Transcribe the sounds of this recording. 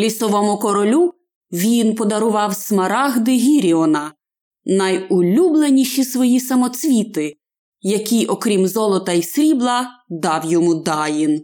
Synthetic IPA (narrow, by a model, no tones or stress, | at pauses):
lʲisɔʋɔmʊkɔɾɔlʲu | ʋʲinpɔd̪ɐɾʊʋɑwsmɐɾɑɣd̪ɪɦʲiɾʲiɔnɐ | nɐjʊlʲublˠenʲiʃisʋɔjisɐmɔt͡sʲʋʲit̪ɪ | jɐkʲijʔɔkɾʲimzɔlˠɔt̪ɐisɾʲiblˠɐd̪ɑwjɔmud̪ɑjin